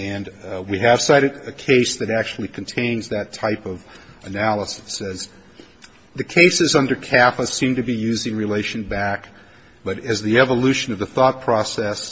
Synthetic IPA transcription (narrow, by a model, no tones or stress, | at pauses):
ɨ̃nwiɨv̥saɪɾɨɾɨkʰeɪsðɨɾæk̚t͡ʃʉl̩ˠikʰn̩tʰẽɪ̃nzðɨtʰaɪpʌvɨnælˠəsɨ̥sɛz | ðɨkʰeɪsɨzʌ̃ndə˞kʰæfəsĩmtɨbijʉzɪ̃ŋɹileɪʃɨ̃nbæk | b̥ʌɾɨzðiɛvəlʉʃɨ̃nʌvðəθɔt̚pʰɹ̥ɔsɛs